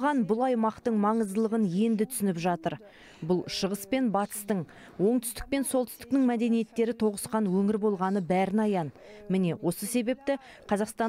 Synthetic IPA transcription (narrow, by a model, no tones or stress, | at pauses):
ʁɑnbʊlˠɑjmɑqt̪əɴmɑɴəzd̪əlˠəʁənje̞nd̪ɪt̪ʰʏ̥sɪnɪpʒɑt̪əɾ | bʊlˠʃəʁəspe̞nbɑt̪ə̥st̪əɴ | wo̞ɴt̪ʰʏ̥st̪ɪ̥k̚pe̞nso̞lˠt̪ʏ̥st̪ɪ̥knɪŋmæd̪e̞nije̞t̪ːe̞ɾɪt̪ʰo̞ʁəsqɑnwɵŋɪɾbo̞lˠʁɑnəbæɾɪnɑjɑnmɪne̞wo̞səse̞be̞p̚t̪ɪ | qʰɑzɑqst̪ɑ